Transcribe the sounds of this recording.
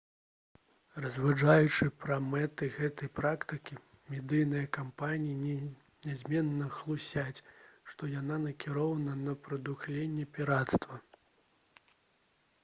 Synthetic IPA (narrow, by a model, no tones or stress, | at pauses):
rɐzʲvad͡ʐajut͡ʂɨpɾɐmɛt̪ɨɣɛt̪ɐjpɾakt̪ɨkʲi | mʲɛd̪ɨjnɨjɐkampanʲijinʲ | nʲazʲmʲɛnːɐxlˠusʲat͡sʲʂt̪ɔjananɐkʲiɾɔvɐnɐnɐpɾɐd̪uxlʲenʲːɛpʲiɾat̪st̪vɐ